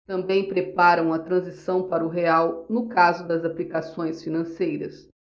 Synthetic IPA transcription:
t̪ɐ̃mbẽj̃pɾepaɾɐ̃w̃ɐt̪ɾɐ̃zisɐ̃w̃paɾɐʊɦeawnʊkazʊd̪ɐzaplikasõj̃sfinɐ̃sejɾɐs

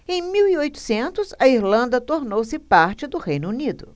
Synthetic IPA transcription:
ẽj̃miwiojt̪ʊ̥sẽnt̪ʊsɐiɾlɐ̃nd̪ɐt̪oɾnowsɪpaɾt͡ʃɪd̪ʊhejnʊunid̪ʊ

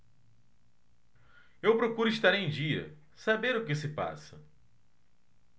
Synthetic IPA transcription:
ewpɾokuɾʊiʃt̪aɾẽj̃d͡ʒiɐ̰ | sabeɾʊkɪsɪpa̰sɐ̰

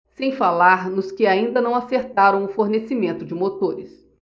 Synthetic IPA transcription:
sẽj̃falaɾnʊskɪaĩnd̪ɐnɐ̃w̃aseɾt̪aɾɐ̃w̃ʊfoɾnesimẽnt̪ʊd͡ʒɪmot̪oɾɪs

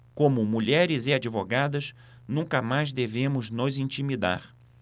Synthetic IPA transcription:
kõmʊmuʎɛɾɪzɪad͡ʒivoɡad̪ɐs | nũkɐmajzd̪evẽmʊznʊzĩt͡ʃimid̪a̰ɾ

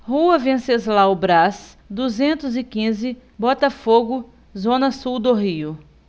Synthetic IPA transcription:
huɐvẽsezlawbɾas | d̪uzẽnt̪ʊzɪkĩzɪbɔt̪ɐfoɡʊ | zõnɐsuwd̪oɦiʊ

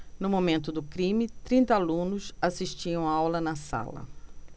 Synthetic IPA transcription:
nʊmomẽnt̪ʊd̪ʊkɾĩmɪt̪ɾĩnt̪ɐalũnʊsasiʃt͡ʃiɐ̃w̃awlɐnɐsa̰lɐ̰

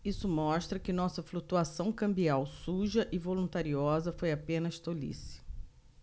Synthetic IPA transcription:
isʊmɔʃt̪ɾɐkɪnɔsɐflut̪uasɐ̃w̃kɐ̃mbiawsuʒɐʔɪvolũnt̪aɾiɔzɐfojapẽnɐʃt̪olḭsɪ̥

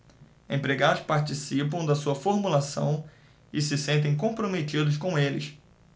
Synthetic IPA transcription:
ẽpɾeɡad̪ʊspaɾt͡ʃisipɐ̃w̃d̪ɐsuɐfoɾmulasɐ̰̃w̃ | ɪsɪsẽnt̪̬ẽj̃kõpɾomet͡ʃid̪ʊʃkõw̃elɪ̰s

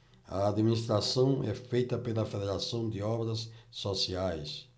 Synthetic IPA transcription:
ɐ̰ːd̪minist̪ɾasɐ̃w̃ɛfejt̪ɐpelɐfeðeɾasɐ̃w̃d̪ɪɔbɾɐsːosiajs

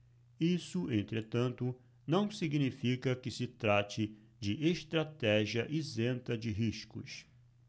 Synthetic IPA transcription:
isʊẽnt̪ɾet̪ɐ̃nt̪ʊ | nɐ̃w̃siɡnifikɐkɪsɪt̪ɾat͡ʃɪ | d͡ʒɪʔeʃt̪ɾat̪ɛʒiɐʔizẽnt̪ɐd͡ʒɪɦiʃkʊ̰s

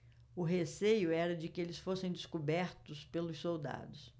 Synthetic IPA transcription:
ʊɦesejʊɛɾɐd͡ʒɪkɪelɪsfosẽj̃d͡ʒ̪ɪskubɛɾt̪ʊspelʊssowd̪a̰d̪ʊs

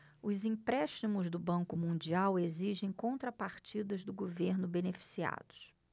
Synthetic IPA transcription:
ʊzĩpɾɛʃt͡ʃimʊzd̪ʊbɐ̃ŋkʊmũd͡ʒiaweziʒẽj̃kõnt̪ɾɐpaɾt͡ʃid̪ɐzd̪ʊɡoveɾnʊbenefi̥sia̰d̪ʊ̥s

